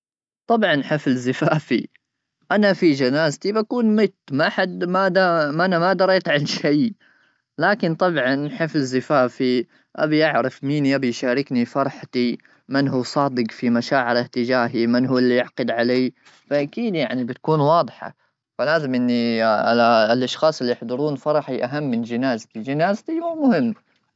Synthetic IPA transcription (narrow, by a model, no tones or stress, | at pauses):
t̪ˤɑbʕɑnħɪflzɪfaːfi | ʔanafid͡ʒanaːzt̪ibakuːnmɪt̪ːmaħad̪mad̪amʔanamad̪ɑɾˤɑːt̪ʕalʃaj | laːkɪnt̪ˤɑbʕɑnħɪflzɪfaːfi | ʔa̰biʔaʕɾɪfmiːnjʔabijʃaːɾɪknifɑɾˤħt̪i | mɪnɦuːsˤɑːd̪ɪɡfimaʃaːʕɪɾɪht̪ɪd͡ʒaːɦimɪnɦuwːɪlːijɪʕqɨd̪ʕaleː | faʔakiːd̪jaʕnibɪt̪kuːnwɑːd̪ˤħɑ̰ | falaːzɪmʔɪnːi | lʔaʃxɑːsˤɪlːijɪħd̪ˤɑɾˤuːnfɑɾˤɑħiʔaɦamːɪnd͡ʒɪnaːzt̪id͡ʒɪnaːzt̪iwuːmʊhɪmː